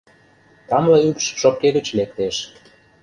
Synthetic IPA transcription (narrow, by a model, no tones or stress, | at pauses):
t̪ɑmlɑykʃʃop̚kːeɣə̆t͡ɕlek̚t̪eʃ